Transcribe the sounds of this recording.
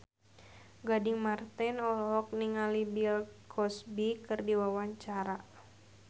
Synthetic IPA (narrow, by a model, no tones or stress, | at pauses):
ɡadɪŋmart̪ɛnɔlɔk̚niŋalibilkʰɔsbikɨrdiwawaɲt͡ʃaɾa